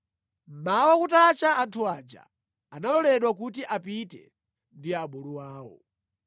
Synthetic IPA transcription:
mawakutat͡ʃaːntʰuaːd͡ʒa̰ː | nalɔlɛɗwak̬ut̬iʔapitɛ̰ | ndiaɓuluwaːwɔ̰

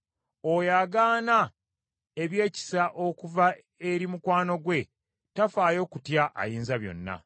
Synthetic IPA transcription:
ojaːɡaːna | e̞βje̞ːci̥saʔo̞kuva | eɾimukwaːno̞ɡwe̞ | tafaːjo̞ːkutjaʔa̰jiːnzaβjo̞̰nːa̰

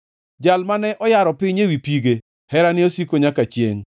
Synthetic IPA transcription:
d͡ʒalmanɛʔɔjaɾɔpɪɲewipiɡe | hɛɾanɪosikoɲakat͡ʃjḛŋ

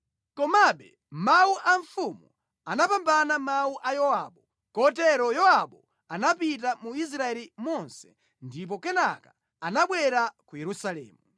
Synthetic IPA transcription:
kɔmaɓɛ | mauʔaɱfumu | anapambanamauʔajɔwaɓɔ | kɔtɛɾɔjɔaɓɔ | anapit̬amuis̬ɾaɛlimɔnsɛ̥ | ndip̬ɔkɛnaka | anaɓwɛɾakujɛɾusalɛ̰ːmu

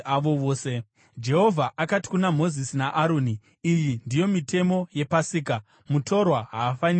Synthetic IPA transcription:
aʋo̞ʋoːse̞ | d͡ʒe̞ɦo̞vʱaʔakati̥kunamo̞zisinaʔaɾo̞ːniː | jindijo̞mitʰe̞mo̞je̞pasiːka | mutʰo̞rwaɦaːfani

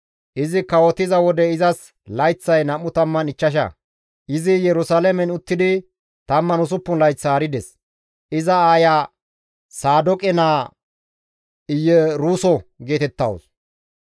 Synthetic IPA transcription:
ʔɪzɪkɐwɔt̪ɪzɐwɔd̪ɛɪzɐs | lɐjt͡sːɐjnɐmːʊt̪ɐmːɐnɪt͡ʃːɐʃ̬ɐ̰ | ʔɪzɪjɛɾʊsalɛmɛnʊt̪ːɪd̪ɪ | t̪ɐmːɐnʊs̬ʊpːʊnlɐjt͡sːaːɾɪd̪ɛs | ʔɪzɐaːjaː | saːd̪ɔkʼɛnaː | ɪjːɛɾuːsɔɡe̞ːt̪ɛt̪ːɐ̰wʊs

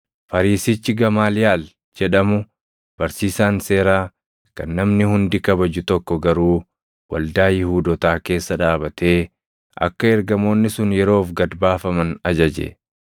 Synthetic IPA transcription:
fɐɾiːsɪt͡ʃːɪɡɐmaːlɪjaːl | d͡ʒɛᶑɐmʊ | b̥ɐɾsiːsaːnse̞ːɾaː | kɐnːɐmnɪhʊnd̪ɪkɐbɐd͡ʒʊt̪ɔkːɔɡɐɾuː | wɐ̰ld̪aːjɪhuːd̪ɔt̪aːke̞ːsːɐᶑaːbɐt̪ʰe̞ː | ʔɐ̰kːɐɛɾɡɐmo̞ːnːɪsʊnjɛɾo̞ːfɡɐd̪baːfɐmɐnɐd͡ʒɐd͡ʒḛ

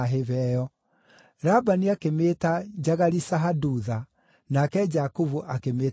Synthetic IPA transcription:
ɦevɛːjɔ | ɾabaniakemeːtad͡ʒaɣaɾisaɦaduða | nakɛd͡ʒakuvuʔakemeː

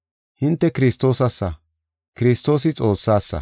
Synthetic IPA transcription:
hɪnt̪ːɛkɪɾɪst̪ːo̞ːsɐsːɐ | kɪɾɪst̪ːo̞ːs̬ɪt͡sʼo̞ːsːaːsːɐ̰

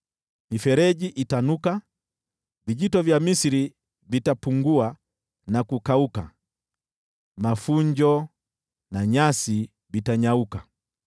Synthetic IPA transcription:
mifɛɾɛʄiʔitanuka | viʄitɔvjamisiɾi | vitapuŋɡua | nakukauka̰ | mafuɲd͡ʒɔ | naɲasi | vitaɲauka

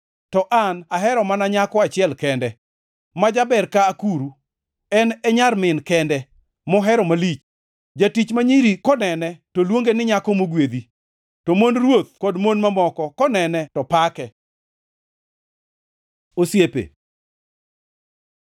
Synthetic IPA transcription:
tɔʔanaɦɛɾɔmanaɲakɔat͡ʃɪɛlkɛndɛ | mad͡ʒabɛɾkaːkuɾu | ɛnɛɲarmɪnkɛndɛ | mɔɦɛɾɔmalit͡ʃ | d͡ʒatit͡ʃmaɲiɾikɔnɛnɛtolwoŋɡenɪɲakɔmoɡwed̪i | tomonrwot̪̚kodmonmamɔkɔkɔnɛnɛtɔpakɛ | osjepḛ

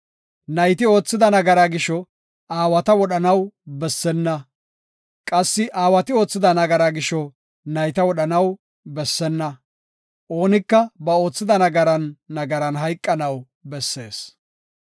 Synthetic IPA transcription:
nɐjt̪ɪo̞ːt͡sːɪd̪ɐnɐɡɐɾaɡɪʃɔ | aːwɐt̪ɐwɔɗɐnɐwbɛsːɛnːɐ | kʼɐsːɪʔaːwɐt̪ɪo̞ːt͡sːɪd̪ɐnɐɡɐɾaɡɪʃɔ | nɐjt̪ɐwɔɗɐnɐw | bɛsːɛnːɐ | ʔo̞ːnɪkːɐbɐo̞ːt͡sːɪd̪ɐnɐɡɐɾɐnːɐɡɐɾɐnɦɐjkʼːɐnɐw | bɛsːe̞ːs

